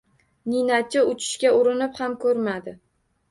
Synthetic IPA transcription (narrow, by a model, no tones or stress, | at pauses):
ninat͡ʃʰɪʊt͡ʃʰɪ̥ʃkʲaʊɾɪnɪphamkʰɵɾmad̪ɪ